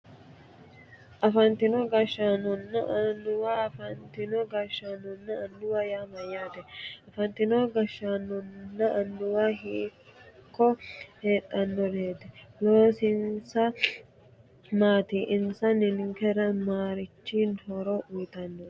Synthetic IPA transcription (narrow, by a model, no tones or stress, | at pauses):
ʔɐfɐnt̪ɪnɔɡɐʃːanɔnːɐʔɐnːʊwaːɐfɐnt̪ɪnɔɡɐʃːanɔnːɐɐndʊwaːjaːmɐjːaːt̪ɛɐfɐnt̪ɪnɔɡɐʃːaːnːɔnːɐʔɐndʊwaɦiːkʰːɔheːt̪ʼːɐnːɔd̪eːt̪ɛlo̞ːsɪnsɐ | maːt̪iːʔɪnsɐnɪnŋkɛɾɐmaːɾɪt͡ʃːiːnhɔɾɔʔʊjt̪ɐnːɔ